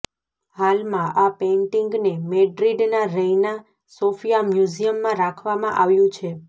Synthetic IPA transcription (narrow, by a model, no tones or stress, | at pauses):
halmãʔapẽɳʈiŋɡnemeɖɾiɖnaɾəina | sofijamjuzijəmːãɾakʰʋamãʔaʋjũt͡ʃʰe